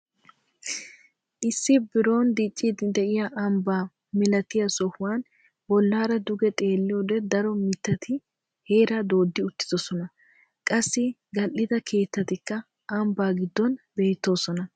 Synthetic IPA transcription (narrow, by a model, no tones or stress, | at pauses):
ʔɪsːɪbɪɾo̞ːnd̪it͡ʃʼːiːd̪ɪd̪ɛʔɪjaʔɐmbaː | mɪlɐt̪ɪjɐsɔhʊwaːn | bɔlːaːɾɐd̪ʊɡɛt̪ʼe̞ːlːɪjoːd̪ɛd̪ɐɾɔmɪt̪ːɐt̪ʰɪ | he̞ːɾaːd̪o̞ːd̪ːɪʊt̪ːɪ̥d̪ɔsɔnɐ | kʼɐsːɪ | ɡɐlʔɪd̪ɐkʰe̞ːt̪ːɐt̪ɪkːɐ | ʔɐmbaːɡɪd̪ːɔnbe̞ːt̪ːo̞ːsɔnɐ